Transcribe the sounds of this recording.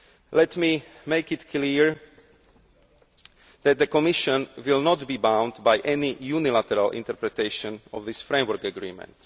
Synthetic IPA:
lɛt̪miː | meɪkɪt̪kʰliɹ | ðɛt̪̚d̪əkɔmɪʃɔ̃nwɪlnɔt̪biːbãw̃nd̪bajʔɛnijunilat̪ɛɾalʔḭ̃nt̪ɛɾpɾɛt̪eɪʃɔ̃nɔvðisfɾẽɪ̃mʋəɾkəɡɾḭːmɛ̰̃nt̪

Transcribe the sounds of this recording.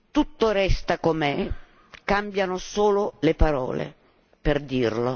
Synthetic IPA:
t̪ut̪ːoɾɛst̪akomɛ | kambjanosoːlolepaɾɔ̰ːlḛ | perd̪irlo

